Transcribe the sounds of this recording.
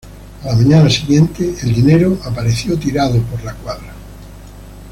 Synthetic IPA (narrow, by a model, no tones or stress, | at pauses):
alamãɲanasiɣjẽnt̪eeld̪ineɾoʔapaɾeθjot̪iɾaðopoɾlakwaðɾa